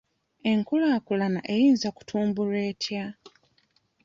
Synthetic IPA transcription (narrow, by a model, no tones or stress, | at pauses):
e̞ŋkulaːkulana̰ʔe̞jiːnzaku̥tʰuːmbule̞ːtʰja